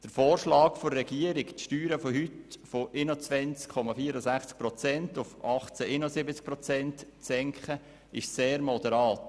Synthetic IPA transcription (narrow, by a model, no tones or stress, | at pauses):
d̥əɾfoːrʃlɑːkfoɾːɛɡiəɾɪktʃtyːɾəfoɦytfoʔɪnot͡sʋɛnt͡skʰːɔmɑfiːəɾəsæχt͡sk̚pɾɔt͡sɛntʊfɑχt͡sæʔɪnosɪbət͡sk̚pɾɔt͡sɛntt͡sɛŋkχə | ɪʃseːɾmɔd̥̪ɛɾɑːt